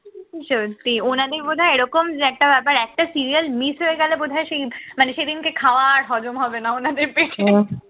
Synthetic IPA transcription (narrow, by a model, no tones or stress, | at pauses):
ʃot̪ionad̪eɾbod̪ʱaeeɾɔkomɛk̚ʈabɛpaɾɛk̚ʈasiɾiəlmisɦoeɡɛlebod̪ʱaeʃejmaneʃejd̪inkekʰaoaɾɦɔd͡ʑomɦɔbenaonad̪eɾpeɾe